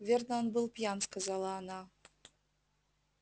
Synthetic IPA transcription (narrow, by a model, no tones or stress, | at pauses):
vʲerd̪anbɨlˠpʲijanskazɑlˠɑːnɑ